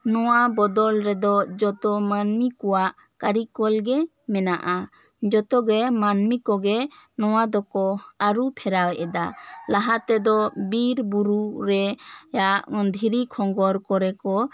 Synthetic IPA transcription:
nɔwabɔd̪ɔlɾɛd̪ɔd͡ʒɔt̪ɔmanmikɔwaʔ | kaɾikɔlɡɛ | mɛnaʔa | d͡ʒɔt̪ɔɡɛmanmikɔɡɛnɔwad̪ɔkɔaɾupʰɛɾawɛʔɛd̪alaɦat̪ɛd̪ɔbiɾbuɾuɾɛjaʔd̪ʱiɾikʰɔŋɡɔɾkɔɾɛkɔ

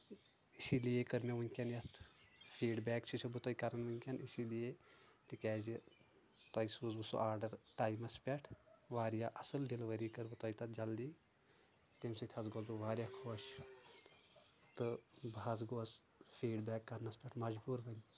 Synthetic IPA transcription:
isilijekəɾmʲeʋɐŋʲkʲɐnjɐt̪ʰfʰiːɖbʲɛːkt͡ʃʰit͡ʃʰubut̪ɔːjkɐɾɐnʋɐnʲkʲɐnisilijet̪ikɛːzi | t̪ɐːisuːzbɨso̰ʔaːɾɖɐɾʈaːjmɐspʲɛʈʰʋaːɾjaːʔɐsɨlɖilʋəɾiːkəɾbɨt̪ɔːit̪ɐt̪̚d͡ʒɐld̪iː | t̪emsɐt̪ʰɐzɡoːzbuʋaːɾjaːkʰoːʃ | t̪ɨbɦɐzɡoːs | pʰiːɖbɛːkːɐɾnɐspʲɛʈʰmɐd͡ʒbuːɾbɐn

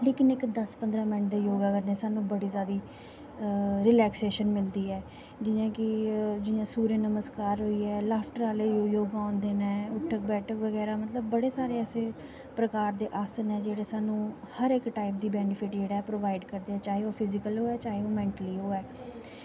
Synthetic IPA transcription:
leːkɪnɪkd̪əspənd̪ɾãːmɪ̃ɳʈd̪eːjoːɡaːkəɾneːsaːnũːbəɽiːzaːd̪iː | ɾɪlɛːkseːʃənmɪld̪iːɛː | d͡ʒɪjãːkɪd͡ʒɪjãːsuːɾeːnəməskaːɾɦoːiːɛːlaːpʰʈəɾaːleːjoːjoːɡaõːnd̪eːnɛ̃ːʊʈʰːək̚bɛːʈʰəkʋəɡɛːɾaːmət̪ləbːəɽeːsaːɾeːɛːseː | pɾəkaːɾd̪eːʔaːsnɛːd͡ʒeːɽeːsaːnũː | həɾɪkʈaːɪp̚d̪iːbɛːnɪpʰɪʈd͡ʒeːɽaːɛːpɾoːʋaːɪɖkəɾd̪eːɛːt͡ʃaːɦeːoːpʰɪzɪkəlɦoːɛːt͡ʃaːɦeoːmɛ̃ːɳʈəliːɦoːɛː

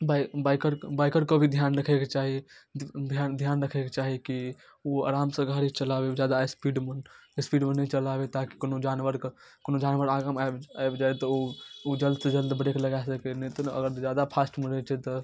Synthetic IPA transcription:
babakəɾbaɪkəɾkəbʱid̪ʱjanɾəkʰɛket͡ʃaɦid̪ʱjand̪ʱjanɾəkʰɛket͡ʃaɦiki | oa̰ɾamsə̃ɡʱaɾit͡ʃəlabed͡ʒjad̪aespiɖmnspiɖmenət͡ʃəlabet̪aki̥konod͡ʒanʋəɾkonod͡ʒanʋəɾaɡamabaebd͡ʒaet̪ɔood͡ʒəld̪sed͡ʒəld̪bəɽekləɡasəkɛnɛt̪ɔə̰ɡəɾd͡ʒjad̪apʰasʈməɾɛt͡ʃʰɛt̪ɔ

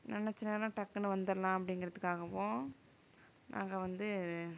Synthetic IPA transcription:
nɛnːɛt͡ʃːɪneːlãːʈɐkːɯnɯʋɐnd̪ɐlãːɐpːɐɽɪŋɡɪɾɐðɯkːaːɣɐʋõː | nʔã̰ːŋɡɐʋɐnd̪ɯ

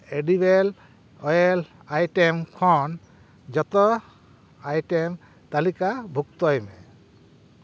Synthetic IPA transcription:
edibɛl | ɔjɛl | ajʈemkʰɔn | d͡ʒɔt̪ɔ | ajʈɛm | t̪alikabʱuk̚t̪ɔjmɛ

